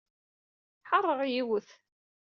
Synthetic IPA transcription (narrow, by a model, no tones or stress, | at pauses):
ħɑrˤːəʁjiwəθ